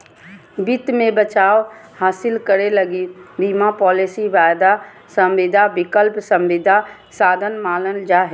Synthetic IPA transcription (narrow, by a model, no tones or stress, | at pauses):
bɪt̪mẽbət͡ʃaːʋhaːsɪlkəɾelɐɡibiːmapɔːlesiʋaːjd̪a | sɐ̃mʋɪd̪ʱabɪkəlpsɐ̃mʋɪd̪ʱa | saːd̪ʱənmaːlənd͡ʒaːɦe